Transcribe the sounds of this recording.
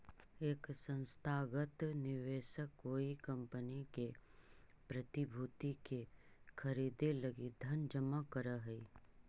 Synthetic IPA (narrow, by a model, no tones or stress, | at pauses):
eːksə̃nst̪ʰaːɡət̪nɪʋeːʃəkːoːikɐ̃mpənike | pɾɐt̪ibʱuːt̪ikekʰɐɾiːd̪elɐɡid̪ʱɐnd͡ʒəmakəɾaɦɛi